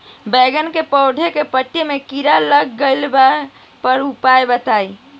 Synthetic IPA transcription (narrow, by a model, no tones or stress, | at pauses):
bɛɡənkepɔʊɖʱekepəʈːemekiɾaləɡːəlba | pəɾupaebət̪ai